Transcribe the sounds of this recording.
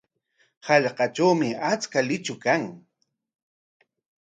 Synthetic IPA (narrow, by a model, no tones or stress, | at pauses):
hɑʎqɑt͡ʃawmɪat͡skalɪt͡ʃʊkaŋ